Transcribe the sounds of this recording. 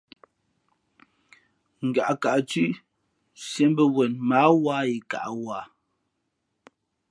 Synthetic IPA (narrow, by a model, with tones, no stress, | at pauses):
ŋ̩˨ɡa̰˨ʔka˨ʔt͡sʉ˦ʔ | sje˦m˦bə˦wɛ˨nma˨˦wa˦i˨ka̰˨ʔwa˨˦˨